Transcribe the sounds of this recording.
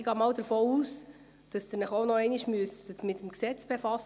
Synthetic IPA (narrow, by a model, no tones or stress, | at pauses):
ɪɡɑːmɑːwdəɾfɔːuːs | d̥ɑsd̥ɪɾnəχoʊnɔɛɪniʃmyəst̪ətmɪt̪əmksɛt͡sb̥efɑs